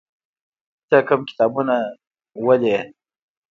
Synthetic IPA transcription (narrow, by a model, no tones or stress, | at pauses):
t̪əkəmkɪ̥t̪ɑbuna | wəle